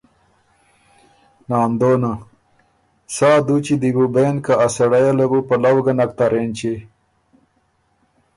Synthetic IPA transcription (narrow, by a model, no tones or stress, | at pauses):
naːnd̪oːna | saːd̪ut͡ɕid̪ibubeːnkaːsɐɽajalabupɐlawɡanak̚t̪aɾeːnt͡ɕe